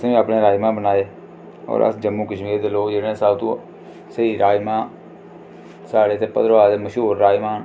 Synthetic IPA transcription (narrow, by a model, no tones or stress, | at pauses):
sĩːapɳẽːɾaːimãːbənaːeː | ɔ̰ːɾə̰sd͡ʒəmːũːkəʃmiːɾd̪ɪloːd͡ʒeːɽẽːsaːbt̪ṵ̃ː | səiːɾaːimãː | saːɽeːt̪eːpəd̪ɾʋaːd̪eːməʃɦuːɾːaːjmãːɦən